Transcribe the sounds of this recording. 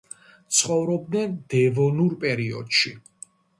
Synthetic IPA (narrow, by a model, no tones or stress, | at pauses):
t̪sʰχɔvɾɔb̚d̪nɛnd̪̥ɛvɔnuɾpʼɛɾiɔ̰d̪̥ʃi